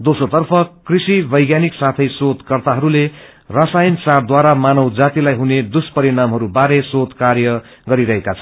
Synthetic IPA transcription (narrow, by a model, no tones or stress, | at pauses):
d̪osot̪ʌrpʰʌkrisibʌjɡjaniksat̪ʰʌjsot̪kʌrt̪aɦʌɾule | rasajnsard̪waɾamanʌwd͡zat̪ilajɦuned̪uspʌɾinamɦʌɾubaɾesod̪kaɾjʌ | ɡʌɾiɾʌɦekat͡sʰʌn